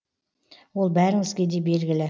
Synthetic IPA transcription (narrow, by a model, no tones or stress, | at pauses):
wo̞lˠbæɾɪŋɪzɡʲe̞d̪e̞be̞lɡʲɪlɪ